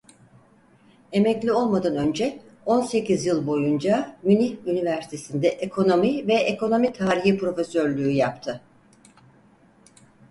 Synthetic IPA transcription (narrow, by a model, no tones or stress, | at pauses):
e̞mɛclʲio̞lˠmad̪anø̞nd͡ʒɛo̞nse̞cizjɯlˠbo̞jund͡ʒamyniynivæɾsi̥t̪ʰe̞sind̪ɛʔekʰo̞no̞mivɛekʰo̞no̞mit̪ʰaːɾiɦipɾo̞fe̞søɾlʲyːjapt̪ʰɯ